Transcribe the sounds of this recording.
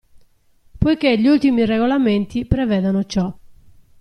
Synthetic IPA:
pojkeʎiult̪imirɛɣolament̪ipɾɛvɛːðonot͡ʃɔ

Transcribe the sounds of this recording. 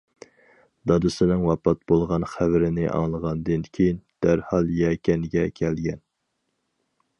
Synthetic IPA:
d̪ɑd̪ɨsɨnɨŋwɑpɑt̪̚bolˠʁɑnχævɪɾɪnɪʔɑ̰ŋlˠəʁɑnd̪ɨnkʲʰejind̪̥æɾhɑlˠjɛkʲɛnɡʲɛkʲʰɛlɡʲɛn

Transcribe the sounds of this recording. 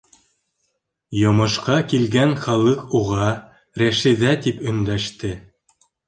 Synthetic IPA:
jŏmɤ̆ʃqɑkilɡænχɑlˠɤquʁɑ | ɾæʃɘ̆ðæt̪ipɵ̆nd̪æʃt̪ɘ

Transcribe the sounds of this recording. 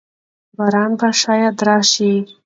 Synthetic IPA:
baɾɑnbaʃɑjad̪ɾɑʃi

